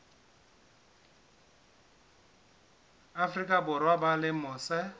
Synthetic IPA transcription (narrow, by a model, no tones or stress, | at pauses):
afrikʼabʊrwabalɪmʊːsɛ